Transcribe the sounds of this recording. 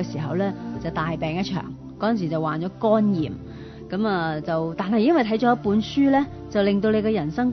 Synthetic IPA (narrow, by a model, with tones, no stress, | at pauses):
ɛ˧siː˨˩ɦɐ˨wlɛː˥t͡sɐ˨wt̪aː˨jpɛː˨ŋjɐ˥t̚t͡ʃʰœ̰ː˨˩ŋ | kɔː˥˨ns̬iː˨˩t͡sɐ˨waː˨˩nt͡ʃɔː˨˥kɔː˥njiː˨m | kɐ˨˥mɐː˨t͡sɐ˨wt̪aː˨nɦɐ˨jɪ˥ŋwɐ˨jt̪ʰɐ˨˥jt͡ʃɔː˨˥jɐ˥t̚puː˨˧˥nsyː˥lɛː˥ | t͡sɐ˨wlɪ˨ŋt̪o˧wle˨˧jkɛː˧jɐ˨˩nsɐ˥ŋ